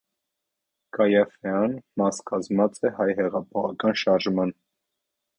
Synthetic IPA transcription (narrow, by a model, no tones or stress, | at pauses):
kɑjɑfɛɑnmɑskʰɑzmɑt͡sʼɛhɑjhɛʁɑpʰɔχɑkɑnʃɑɾʒmɑn